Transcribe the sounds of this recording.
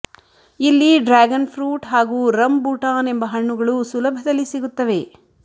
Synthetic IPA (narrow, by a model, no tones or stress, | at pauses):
ilːiɖɾaːɡɐnpʰɾuːʈɦaːɡuːɾɐmbuʈaːne̞mbɐɦɐɳːuɡɐɭusulɐbʱɐd̪ɐlːisiɡut̪ːɐʋe̞